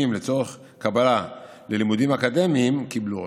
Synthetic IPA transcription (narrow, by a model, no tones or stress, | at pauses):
imlet͡so̞ʁeχ | kabala | le̞limud̪imakad̪e̞miːmkiblu